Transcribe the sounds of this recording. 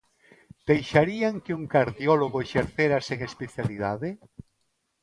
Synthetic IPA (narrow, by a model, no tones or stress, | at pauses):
d̪̥ejʃaɾiaŋkɪuŋkaɾðiɔloɣoeʃeɾθeɾaseŋespeθjaliðaðɪ